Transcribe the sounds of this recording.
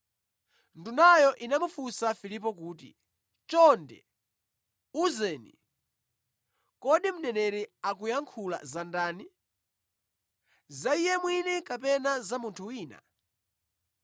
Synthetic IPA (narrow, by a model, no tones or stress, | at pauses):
ndunajɔʔinamufusafilip̬ɔkuːtḭ | t͡ʃɔndɛ̰ | uzɛːnḭ | kɔɗim̩nɛnɛɾɛak̬ujaŋkʰula̰zandaːni | zaijɛmwinɛkapɛnazamuntʰuwiːna̰